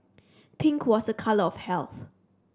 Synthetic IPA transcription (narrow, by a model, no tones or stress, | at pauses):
pʰɪ̃ŋkʰwɔsəkʰaləɔfhɛlθ